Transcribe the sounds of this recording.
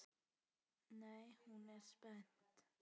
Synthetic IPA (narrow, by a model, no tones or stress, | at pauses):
næɪhʉnæːɾspɛnt̪